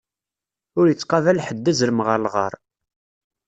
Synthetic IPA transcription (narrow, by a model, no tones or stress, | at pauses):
ʊɾjət͡sːqɑvælħəd̪ːæzɾəmʁəlʁə̰ɾˤ